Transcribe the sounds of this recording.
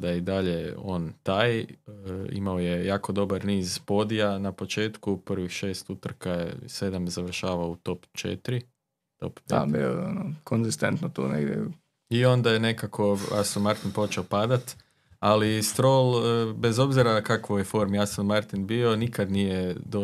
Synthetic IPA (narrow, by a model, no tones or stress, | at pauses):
d̪ajeid̪aʎeo̞̰ːnt̪aːj | ḭmaojejaːko̞d̪o̞baɾniːzpo̞d̪ijanapo̞t͡ʃe̞ːt̪kuprʋixʃe̞ːst̪ut̪r̩kajḛse̞d̪amzaʋr̩ʃaːʋaout̪o̞pt͡ʃḛt̪ɾi | t̪o̰ppḛa̰bḭo̰o̰nokʰonzist̪ent̪not̪o̰nḛɡd̪ʲjḛ | io̞nd̪ajene̞kakʰo̞ja̰sammaɾt̪inpo̞t͡ʃeopad̪at̪ | alist̪ɾolˠbe̞zo̞bziɾakakʋojefo̞ɾmjasammaɾt̪inbiːo̞nikad̪nijed̪o